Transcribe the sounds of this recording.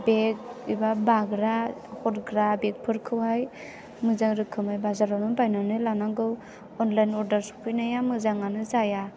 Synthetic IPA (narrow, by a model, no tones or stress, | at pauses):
bek̚ibabaɡɾahɔtɡɾabek̚pʰɯɾkʰɯwɦaj | mɯzaŋɾɯkʰːɯmajbazaɾawnɯbajnanɯlanaɡɯw | ɔnlajnɔɾdaɾsu̥pʰɯjnajamɯzaŋanɯzaja